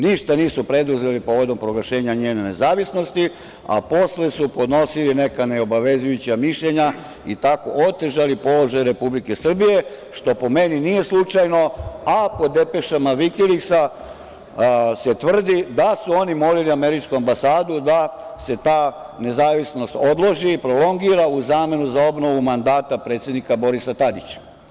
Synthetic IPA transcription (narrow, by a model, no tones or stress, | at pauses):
niʃt̪aniːsupɾe̞d̪uze̞lipo̞ʋo̞d̪o̞mpɾoɡlaʃe̞ːɲaɲeːnene̞zaːʋisno̞st̪i | a̰po̞slesupo̞d̪no̞siline̞kaneo̞baʋe̞zujut͡ɕamiʃʎeɲa | it̪ako̞̰ʔot̪eʒalipo̞lo̞ʒajɾe̞publike̞sr̩bije̞ | ʃt̪o̞po̞me̞ninije̞slut͡ʃajno̞apo̞d̪e̞pe̞ʃamaʋikiliksa | se̞t̪ʋr̩d̪id̪asuo̞nimo̞liliame̞ɾit͡ʃkuambasaːd̪ud̪ase̞t̪aːne̞zaːʋisno̞st̪o̞d̪lˠo̞ʒiːpɾo̞lo̞ŋɡiːɾauzaːme̞nuzao̞bno̞ʋumand̪aːt̪apɾet̪sje̞d̪nikabo̞ɾisat̪ad̪it͡ɕḁ